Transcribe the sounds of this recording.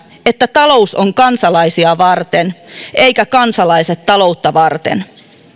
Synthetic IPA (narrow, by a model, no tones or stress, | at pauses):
et̪ːæt̪ɑlo̞usoŋkɑnsɑlɑisiɑʋɑrt̪enʔejkækɑnsɑlɑiset̪ːɑlo̞ut̪ːɑʋɑrt̪ḛn